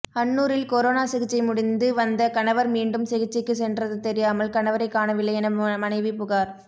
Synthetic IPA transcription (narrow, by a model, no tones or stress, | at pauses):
ɐnːuːɾɪlkɔɾoːnaːsɪɣɪt͡ʃːɐɪmʊɽɪnd̪ɯʋɐnd̪ɐkɐnɐʋɐɾmiːɳɖɯmsɪɣɪt͡ʃːɪkːɯsɛndrɐðɯt̪ɛɾɪjaːmɐlkɐɳɐʋɐɾɐɪkːaːnɐʋɪlːɐjɛnɐmɐnɐɪʋipʊɣaːɾ